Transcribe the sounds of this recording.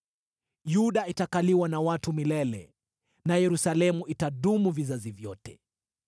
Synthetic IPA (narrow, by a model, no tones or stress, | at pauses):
juɗaitakaliwanawatumilɛlɛ̰ | najɛɾusalɛmuʔitaɗumuvizazivjɔtɛ̰